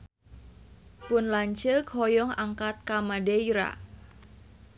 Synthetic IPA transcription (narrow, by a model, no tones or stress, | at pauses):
pʊnlaɲt͡ʃəkɔjɔŋaŋkat̪̚kamadeiɾa̰